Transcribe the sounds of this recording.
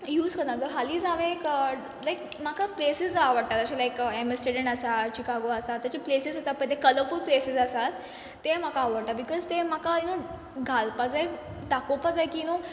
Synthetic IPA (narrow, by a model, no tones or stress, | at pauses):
juːzkəɾnad͡zoɦaliːd͡zãʋẽkə | lajk | makaplesizaʋəɽʈat̪əɕalaikemesʈeɖə̃ɳɖəsat͡ɕikaɡoəsat̪ːjat͡ɕaplesizasat̪pə̃ɳt̪ekələɾfulplesizəsat̪ː | em̤akaːʋəɽʈabikɔzt̪emakaino | ɡʱalpad͡zaj | ɖakopad͡zajkino